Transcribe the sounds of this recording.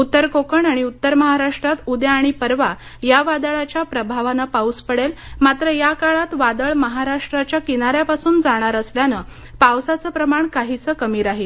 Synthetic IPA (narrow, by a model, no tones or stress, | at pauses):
ut̪ːəɾkokəɳaɽ̃iut̪ːəɾməɦaɾaʂʈɾat̪ud̪jaːɽ̃ipəɾʋa | jaʋad̪əɭat͡ɕjapɾəbʱaʋanəpauspəɽelmat̪ɾəjakaɭat̪ʋad̪əɭməɦaɾaʂʈɾat͡ɕjakinaɾjapasuːnd͡zaɽ̃aɾəsljanə | pawsat͡səːpɾəmaɳkaɦit͡səːkəmiːɾaɦe